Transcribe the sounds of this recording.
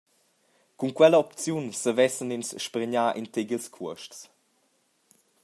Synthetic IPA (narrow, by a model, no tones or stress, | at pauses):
kunkwɛləɔpt͡sjunsəvɛsəninsʃpɾəɲaʔint̪eɡilskʰuəʃts